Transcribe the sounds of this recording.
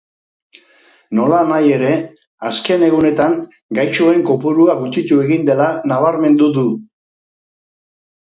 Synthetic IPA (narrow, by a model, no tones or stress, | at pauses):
no̞lanaje̞ɾe̞ | aske̞ne̞ɣune̞t̪aŋ | ɡajt͡ʃoe̞ŋko̞puɾuaɣut͡ʃit̪ue̞ɣind̪e̞lanaβ̞aɾme̞nd̪udu